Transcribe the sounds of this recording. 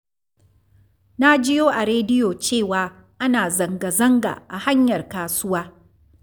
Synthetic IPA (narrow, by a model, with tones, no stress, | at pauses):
na˦d͡ʒɪ˦joː˦ʔa˨ɾeː˦dɪ˦joː˨t͡ʃeː˦˨waː˦ | ʔa˦naː˨zɐ˨ŋɡa˨zɐ˦ŋɡa̰˨ʔa̰˨ha˦ɲjɐ˨rkaː˦sʊ˦waː˦